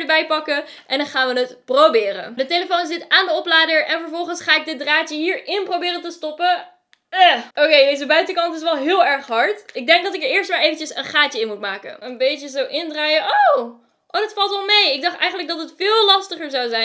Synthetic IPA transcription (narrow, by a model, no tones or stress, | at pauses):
dəbɛjpɑkə | ʔɛndɑnχaːnʋənətprobɪːɾə̰ndəteləfownzɪtaːndəɔplaːdəɹɛnvəɹvɔlˠχənsχaːɪɡ̚dɪt̚draːtəɦiːɹɪnprowbɪːɾəntəstɔpə | ɛʔokejdejzəbœɥtəkɑntɪs̬ʋɛlˠɦɪːlˠɛɹχɦɑɹtɪɡ̚dɛŋɡ̚dɑtɪkəɹɪːɹstmaːɹejvəncəsə̰nχaːtəɪnmutmaːkə̰nənbejtəzowʔɪndraːjəʔow | ʔowdɑtfɑlˠtɔlˠmejɪɡ̚dɑχtɛ̰jχənləkɡdɑtətfɪːlˠlɑstəχəɹzawzɛjn